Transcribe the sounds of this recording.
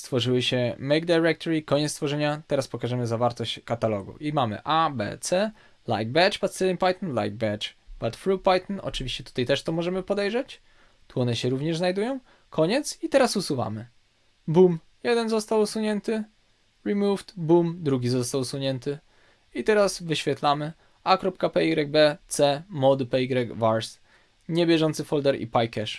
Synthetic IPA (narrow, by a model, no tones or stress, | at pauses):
st̪fɔʐɘwɘɕɛmɛjɡ̚d̪ajɾɛk̚t̪ɔɾikɔɲɛt̪st̪fɔʐɛɲat̪ɛɾaspɔkaʐɛmɘzavaɾt̪ɔɕt͡ɕkat̪alɔɡṵʔimamɘ̰ʔabɛ̰t̪sɛ | la̰jɡ̚bɛt͡ʂbat̪sɛlʲinpajt̪nla̰jɡ̚bɛt͡ʂb̥at̪fɾupajt̪nɔ̰t͡ʂɘvʲiɕt͡ɕɛt̪u̥t̪ajt̪ɛʂt̪ɔmɔʐɛmɘpɔd̪ɛjʐɛt͡ɕ | t̪wɔnɛɕɛɾuvɲɛʐznajd̪ujɔ̃w̃ | kʰɔɲɛt̪sit̪ɛɾasusuva̰mɘ | bum | jɛd̪ɛnzɔst̪awusuɲɛnt̪ɘ | ɾɛmuvt̪bumd̪ɾuɡʲizɔst̪awsuɲɛnt̪ɘ | it̪ɛɾasvɘɕfʲɛt̪lamɘ | akɾɔpkapɛiɡɾɛɡ̚bɛt̪sɛmɔd̪ɘpɛiɡɾɛɡvaɾs | ɲɛbʲjɛʐɔnt̪sɘfɔld̪ɛɾḭpajkɛʂ